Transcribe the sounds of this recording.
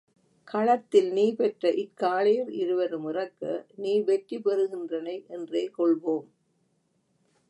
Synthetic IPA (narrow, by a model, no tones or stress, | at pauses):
kɐɭɐt̪ːɪlniːpɛʈrɐʔɪkːaːɭɐjɪɾɪɾɯʋɐɾɯmɪrɐkːɐ̰niːʋɛʈripɛɾɯɣɪndrɐnɐɪʔɛndreːkɔɭʋoːm